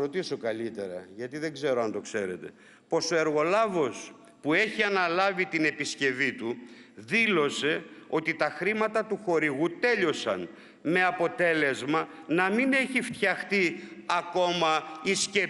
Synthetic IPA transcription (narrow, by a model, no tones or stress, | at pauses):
ɾot̪isokɐlit̪e̞̰ɾɐ̰ʝɐt̪iðe̞ɡze̞ɾoɐnt̪o̞kse̞̰ɾe̞t̪e̞̰ | po̞so̞e̞ɾɣo̞lɐvo̞s | pue̞çiɐnɐlɐvit̪ine̞pisce̞vit̪uðilo̞se̞o̞t̪it̪ɐxɾimɐt̪ɐt̪uxo̞ɾiɣut̪e̞ʎo̞sɐ̰n | me̞ɐpo̞t̪e̞le̞zmɐ | nɐmine̞çift̪çɐxt̪iɐko̞mɐisce